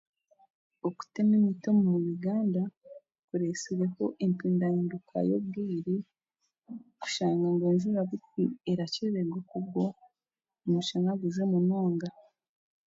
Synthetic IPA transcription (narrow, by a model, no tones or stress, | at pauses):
oku̥tenemitomumuβiɡaːnda | kuɾesiɾeko̞ʔempiːndajiːndukʰa̰jo̰β̚ɡiːɾi | ku̥ʃaːŋɡaŋɡeːnzuɾaβutieɾaceβeɡokuβɡo | muʃaŋaɡuzemunoːŋɡa